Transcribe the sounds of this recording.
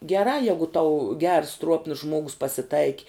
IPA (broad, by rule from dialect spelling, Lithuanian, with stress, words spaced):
ɡʲɛˈrɑː ˈjɛɪɡʊ tɐʊ ɡʲɛrs ˈtruɔpnʊs ˈʒmuɔɡʊs pɐsʲɪˈtɐɪkʲɪ